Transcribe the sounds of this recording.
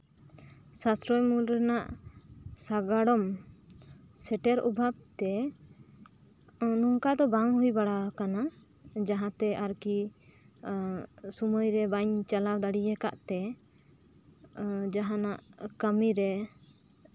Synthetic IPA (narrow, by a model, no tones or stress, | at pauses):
sasɾɔjmulɾɛnaʔ | saɡaɽɔm | sɛʈɛɾubʱab̚t̪ɛ | nuŋkad̪ɔbaŋɦujbaɽakanad͡ʒaɦãt̪ɛʔaɾki | sumɔjɾɛbaɲt͡ʃalawd̪aɽijɛka̰ʔt̪ɛ | d͡ʒaɦãnaʔkəmiɾɛ